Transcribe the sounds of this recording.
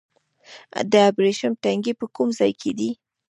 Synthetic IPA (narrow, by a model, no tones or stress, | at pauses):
d̪əabɾeʃənʈaŋɡepəkumzɑjkʰed̪i